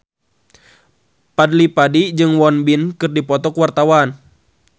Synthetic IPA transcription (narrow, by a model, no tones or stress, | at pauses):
padlipadid͡ʒɨŋwɔnbinkɨrdipɔt̪ɔkwart̪awan